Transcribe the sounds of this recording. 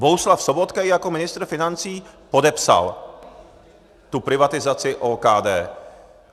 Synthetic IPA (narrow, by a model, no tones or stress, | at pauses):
bouslafsobot̪kɛjako̞mɪnɪst̪ɾ̩fɪnant͡siːpo̞dɛpsa̰l | t̪upɾɪvat̪ɪzat͡sɪʔoːkaːdɛː